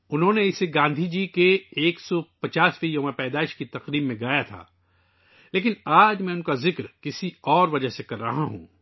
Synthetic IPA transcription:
ʊnɦõneɪseɡãːnd̪ʱid͡ʒiːkeeːksɔpɐt͡ʃaːsʋijoːmẽpɛːd̪aːɪʃkit̪ɐqɾiːbmːẽɡaːjat̪ʰa̰ː | leːk̬ɪnaːd͡ʒmɛ̃ʊnkazɪkɾkɪsiɔːɾʋɐd͡ʒəɦsekɐɾːɐɦaɦṵ̃ː

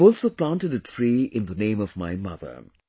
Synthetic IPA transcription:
ɔːlsoplãnʈəɖətʰɾiːɪ̃nðənẽɪ̃mɔvma̰ɪmʌ̰ðə̰

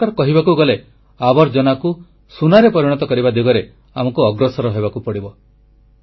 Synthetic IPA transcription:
aɾɔkɔɦibakuɡɔle | abɔɾd͡ʒɔnaku | sunaɾepɔɾiɽ̃ɔt̪ɔkɔɾibad̪iɡɔɾe | amɔkuɔɡɾɔsɔɾɔɦebakupɔɽibɔ

